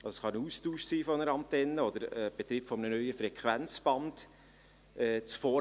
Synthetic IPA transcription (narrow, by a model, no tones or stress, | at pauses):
ɑlsosχɑnəuːstuːʃsiːfɔnəɾɑmtɛnːəɔd̥əɾɛb̥et̪ɾiːpfɔmənənœʏəfɾɛkχʋænt͡sb̥ɑnd | ɛːt͡sfɔː